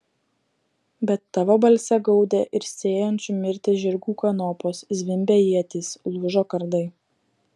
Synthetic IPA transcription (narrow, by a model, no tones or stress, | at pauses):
bʲɛt̪ːɑʋoːbɐlʲsʲɛɡɒʊd̪ʲɛʔɪɾsʲeːjɔnʲt͡ʃʲʊmʲɪɾʲt̪ʲɪʒʲɪɾʲɡuːkɐnɔpoːszʲʋʲɪmʲbʲɛjiɛt̪ʲiːslˠʊʒoːkɐɾd̪ɐɪ